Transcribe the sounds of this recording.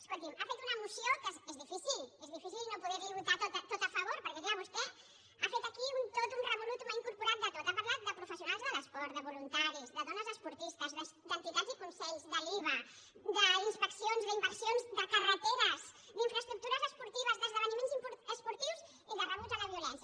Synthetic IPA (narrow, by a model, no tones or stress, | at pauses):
ə̥skolt̪imafet̪unəmusjokezezðifisilezðifisilnopuðɛβiβut̪at̪ot̪at̪ot̪afaβoɾpəɾkɛðeəβust̪ɛ | afet̪akiunt̪ot̪unrəβulut̪umaiŋkuɾpuɾat̪̚d̪ət̪ot̪apaɾlat̪̚d̪əpɾufəsjunalˠzðəðəspɔɾt̪̚d̪əβulunt̪aɾizðəðɔnəzəspuɾt̪ist̪əzðəsd̪ənt̪it̪azikunsɛʎzd̪əliβ̞ə | d̪əinspəksionzðəimbəɾsionzd̪əkarət̪eβəz | d̪iɱfɾəst̪ɾuk̚t̪uɾəzəspuɾt̪iβ̞əzðəzðəβənimẽnzimpɾəspuɾt̪iws | iðərəβuzaðəβiulɛnsjɐ